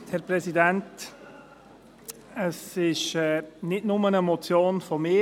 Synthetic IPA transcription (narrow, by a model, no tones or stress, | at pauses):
hɛɾpɾɛsidɛnt | əsɪʃɛːnɪtnʊmənəmɔt͡sjoːnfɔmɪ